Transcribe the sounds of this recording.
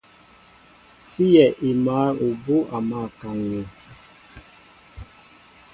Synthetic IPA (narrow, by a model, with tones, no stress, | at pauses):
si˦jɛ˨ʔi˨ma˨˦o˨bo˦ʔa˨ma˦˨ka˨ŋju˨